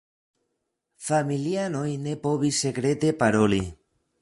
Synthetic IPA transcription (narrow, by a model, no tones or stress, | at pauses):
familiano̞jne̞po̞βisːe̞kɾe̞t̪e̞paɾo̞lḭ